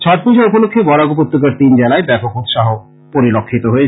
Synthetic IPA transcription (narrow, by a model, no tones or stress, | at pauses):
t͡ɕʰɔʈ̪̚pud͡ʑʱaɾupolokʰːebɔɾaɡupot̪ːokaɾt̪ind͡ʑɛlaebɛpokut̪ʃaɦo | poɾilokʰːit̪oɦoe